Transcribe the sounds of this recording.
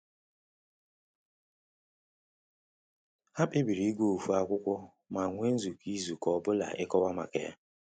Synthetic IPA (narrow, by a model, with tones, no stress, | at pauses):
ha˦pɪ˦bi˨ɾi˦ɡʷo˦˨fu˦a˨kʷʊ˦kʷɔ˦ | ma˨ŋʷe˦n̩˦zu˨kʰi˦zu˨kɔ˨bʊ˦la̰˨ʔɪ˦kɔ˦wa˦ma̰˨kḛ˨ja̰˦